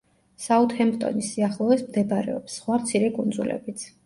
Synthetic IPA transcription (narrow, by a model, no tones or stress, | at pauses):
saut̪hɛmpt̪ʼɔ̰nisiaχlˠɔɛsmd̪ɛbaɾɛ̰ɔpsːχwamt̪sʰiɾɛkʼund̪zulɛ̰bit̪sʰ